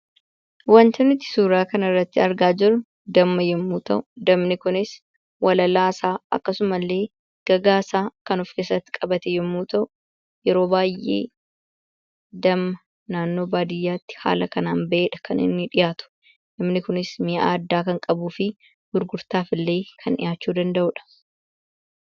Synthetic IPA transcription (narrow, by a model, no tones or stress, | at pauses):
wɐnt̪ɐnɪt̪ːɪ̥suːɾaːkɐnɐrːɐt̪ːɪɐɾɡaːd͡ʒɪɾʊ | d̪ɐmːɐjɛmːuːt̪ɐ̰ʔʊd̪ɐmnɪkʊnɪs | wɐlɐlaːsaːɐ̰kːɐsʊmɐlːe̞ː | ɡ̥ɐɡaːsaːkɐnɔfkeːsɐt̪ːɪ̥kʼɐbɐt̪ɛjɛmːuːt̪ɐʔʊ | jɛɾo̞ːbaːjːʔḛː | d̪ɐmːɐ | naːnːo̞ːbaːd̪ɪjːaːt̪ːɪ̥ha̰ːlɐkɐnaːnbɐeːᶑɐkʰɐnɪ̰nːɪᶑɪjaːt̪ʊ̥ | d̪̥ɐmnɪkʊnɪsmɪja̰ːɐd̪ːaːkɐŋkʼɐbuːfɪ | ɡ̥ʊɾɡʊɾt̪aːfɪlːe̞ːkʰɐnɪ̰jaːt͡ʃːuːd̪ɐnd̪ɐʔʊᶑɐ̥